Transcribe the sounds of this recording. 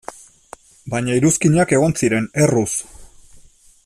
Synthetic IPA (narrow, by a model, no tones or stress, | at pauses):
bajɲaiɾuskiɲake̞ɣ̞o̞nsiɾe̞ne̞rus